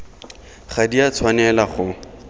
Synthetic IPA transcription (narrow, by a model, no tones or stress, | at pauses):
χadiat͡sʰwanɛlaχʊ